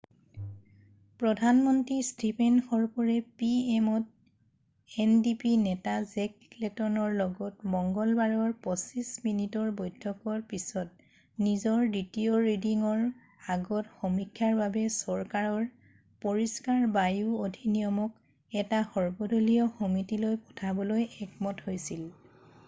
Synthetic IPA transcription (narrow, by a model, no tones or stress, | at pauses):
pɹɔdʱanmɔntɹistipɛnxɔɹpɔɹɛpiɛmɔt̚ | ɛndipinɛtazɛk | lɛtɔnɔɹlɔɡɔtmɔŋɡɔlbaɹɔɹpɔsisminitɔɹbɔjtʰːɔkɔɹpisɔt̚ | nizɔɹditioɹediŋɔɹ | aɡɔtxɔmikʰːaɹbabɛsɔɹkaɹɔɹ | poɹiskaɹbajuodʱinijɔmɔk | ɛtaxɔɹbɔdʱolijɔxomitilojpɔ̥tʰabɔlojɛkmɔthojsil